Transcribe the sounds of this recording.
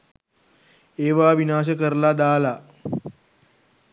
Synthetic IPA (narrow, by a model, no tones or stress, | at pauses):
eʋaʋinaːɕ̬əkəɾlad̪aːla